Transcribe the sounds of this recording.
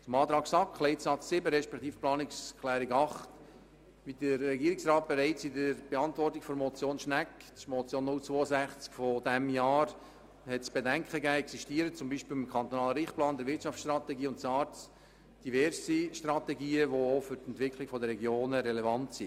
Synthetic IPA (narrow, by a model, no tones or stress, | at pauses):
t͡sʊmɑːt̪ɾɑːksɑkχlɛɪtsɑt͡ssɪbəɾɛʃpɛkt̪iːfplɑːnɪkskʰlæːɾɪɡɑχt | ʋidəɾːɛɡiːəɾɪksrɑːt̚b̥eɾɛɪt͡sɪdəɾb̥eɑntvɔrtɪkfɔɾmɔt͡sjoːnʃnæktmɔt͡sjoːnːʊlt͡sʋoːəsæχt͡skfɔdɛmjɑːɾ | hɛtsb̥edæŋkχəɡæːɛksiʃtiːəɾət͡sʊmbiːʃpɪl̩ɪmkʰɑnt̪ɔnɑːləɾɪχt̚plɑːnd̪ɛɾʋɪtʃɑft͡ssʃtɾɑt̪ɛɡiːʊntsɑːɾts | d̥ivɛɾsiʃtrɑt̪ɛɡiːəʋoofʏɾtɛntvɪkχlɪɡfɔdəɾɛɡjoːnəɾɛlɛvɑntsi